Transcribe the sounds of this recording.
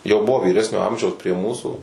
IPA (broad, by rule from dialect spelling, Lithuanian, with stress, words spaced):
jɛʊ ˈbʊʋoː ʋʲiːˈrʲæːsʲnʲoː ˈɐmʲʒʲɛʊs pʲrʲiɛ ˈmuːsuː